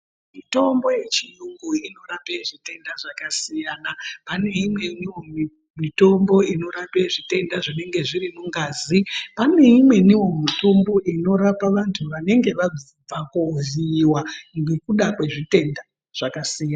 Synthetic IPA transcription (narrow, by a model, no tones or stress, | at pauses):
mito̞mbo̞je̞t͡ʃijuŋɡuino̞ɾapeʐite̞ndaʐakasijanapane̞imwe̞niwo | mito̞mbo̞ino̞ɾapeʐite̞ndaʐine̞ŋɡe̞ʐiɾimuŋɡaːzipane̞imwe̞niwo̞mito̞mbo̞ʔino̞ɾapaʋantʰuʋane̞ŋɡe̞ʋad͡zib͡vakoziːwaŋɡekuɗakwe̞ʐite̞nda | ʐ̥akasijana